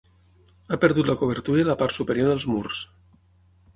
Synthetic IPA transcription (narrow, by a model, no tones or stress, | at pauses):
apəɾðut̪ləkoβ̞əɾt̪uɾələpaɾt̪supəɾioɾðəlˠzmurs